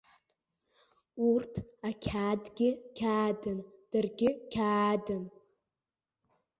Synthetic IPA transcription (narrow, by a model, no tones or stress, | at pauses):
urtʰakʲʰadɡʲɪkʲʰaːdɨnd̥ɨrɡʲɪkʲʰaːdɨn